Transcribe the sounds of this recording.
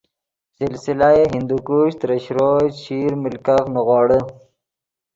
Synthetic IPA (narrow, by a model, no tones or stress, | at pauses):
sɪlsilaeɦind̪ukuːɕt̪ɾəɕɾoːɕiːɾmɪlkaxnuɣɑːɽə